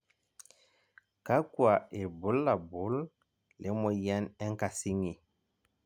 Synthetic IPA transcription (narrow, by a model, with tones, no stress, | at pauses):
ka˦ku˦a˨e˨bu˦lːa˨bu˨˦l | le˦mɔ˨ja˦nɛ˦ŋka˨si˦ŋi˨